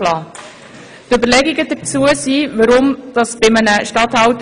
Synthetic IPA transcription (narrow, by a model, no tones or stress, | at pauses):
lɑː | tøbəɾlɛɡiɡəd̥̪ət͡suəsiːvəɾʊmd̥ɑsb̥ɪmənəʃtɑthɑwt